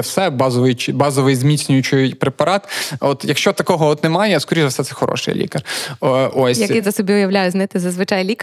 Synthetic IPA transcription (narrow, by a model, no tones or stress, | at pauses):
wsɛbɑzɔʋɪjt͡ʃbɑzɔʋɪjzmʲit̪t͡sʲnʲʊjʊt͡ʃɪjpɾepɐɾɑt̪ɔt̪jɐkʃt͡ʃɔt̪ɐkɔɦɔɔt̪nemɑjɛskɔɾʲiʒɐfsɛt̪sɛxɔɾɔ̰ʃɪ̰jlʲḭkɐrʔosʲjɐkɪzɐsɔbʲiʊjɐʋlʲajʊzʲnɪt̪ɪzɐzʋɪt͡ʃɑjlʲik